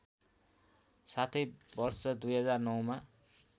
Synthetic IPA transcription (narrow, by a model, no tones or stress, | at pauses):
sat̪ʰʌjbʌrsʌd̪ujɦʌd͡zarnʌwma